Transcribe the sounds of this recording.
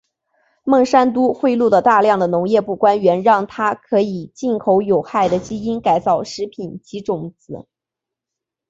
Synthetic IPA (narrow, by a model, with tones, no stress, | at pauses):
mɤ˥˩ŋʂa˥nt̪u˥xwe˥˧ɪlu˥˩lə˩t̪a˥˧ljɑ˥˩ŋd̪ə˩nʊ˧˥ŋjɛ˥˧pu˥˩kwa˥nɥɛ˧˥nɻɑ˥˩ŋt̪ʰa˥kʰɤ˧˥i˨˩t͡ɕi˥˩nkʰo˧˥ʊjo˨˩ʊxa˥˩ɪd̪ə˩t͡ɕi˥i˥nka˨˩ɪt͡sɑ˥˩ʊʂɻ̩˧˥pʰi˨˩nt͡ɕi˧˥ʈ͡ʂʊ˨˩ŋt͡sɹ̩˨˩˦